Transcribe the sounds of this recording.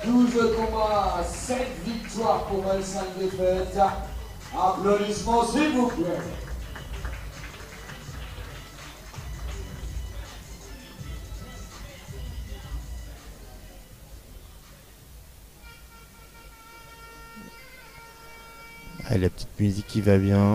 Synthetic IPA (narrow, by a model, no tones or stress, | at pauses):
d̪uzkɔmãsɛt̪vik̚t̪waʁpɔmãlsãd̪epɛt̪a | aflɔ̃lismɑ̃zebupɛ | ɛ̰lɛpət̪i̥t̪myzikːivabjɛ̃